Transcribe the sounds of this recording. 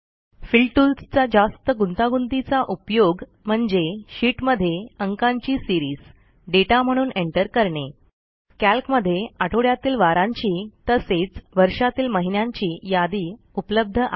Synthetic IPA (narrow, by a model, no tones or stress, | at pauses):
filʈulst͡sad͡zast̪əɡunt̪aɡund̪it͡saʔupjoɡm̤əɳd͡zeɕiːʈməd̪ʱːjeəŋkaɲt͡ɕiːsiɾiːs | ɖeʈam̤əɽ̃uːneɳʈəɾkəɾɳe | kælkməd̪ʱːjeaʈʰoɽjat̪iːlʋaɾãɲt͡ɕiːt̪əset͡sʋəɾʂat̪iːlməɦinjaɲt͡ɕiːjad̪iː | upləb̚d̪ʱəʔa